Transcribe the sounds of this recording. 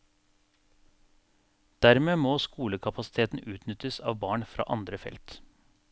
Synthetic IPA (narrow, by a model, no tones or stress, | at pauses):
d̪̥æɾmeːmoːskuːləkʰɑpʰɑsɪ̥t̪ʰeːt̪n̩ʔʉːt̪nʏt̪əsɑ̰ːʋbɑːɳfɾɑ̰ːʔɑnd̪ɾəfɛ̰lt̪